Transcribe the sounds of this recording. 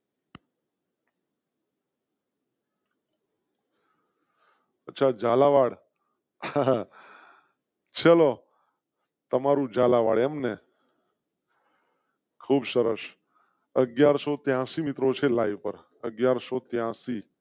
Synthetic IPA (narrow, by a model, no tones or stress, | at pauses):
ətːt͡ʃʰad͡ʒalaʋaɽ | t͡ʃʰəlo | t̪əmaɾũd͡ʒalaʋa̰ɽemne | kʰuːbsəɾə̰ʃ | əɡjaɾsot̪jãsimɪt̪ɾot͡ʃʰelaiʋpəɾ | ə̰ɡjaɾsot̪jãsi